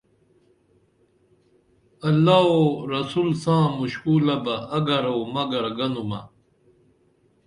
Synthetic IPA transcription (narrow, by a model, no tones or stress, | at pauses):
ɐlːaːoɾɐsuːlsãːmuɕkuːlɐbɐɐɡɐɾoːmɐɡɐɾɡɐnumɐ